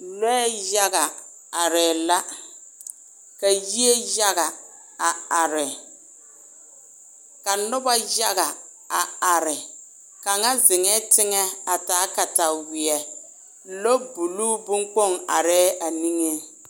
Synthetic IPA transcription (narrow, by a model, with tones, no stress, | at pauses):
lɔ˦ɛ˦ja˦ɣa˨ | a˨ɾɛː˨la˦ | ka˨ji˦e˦ja˦ɣa˨ | a˨a˨ɾɪ˨ | ka˨nʊ˦ba˦ja˦ɣa˨ | a˨a˨ɾɪ˨ | ka˨ŋa˦zɪ˨ŋɛ˦tɪ˦ŋɛ˦a˨taː˨˦ka˨ta˨wɪ˨ɛ˨ | lo˦bu˨luː˦bu˦ŋk͡pɔ˦˨ŋa̰˨ɾɛː˦a˨ni˦ŋe˦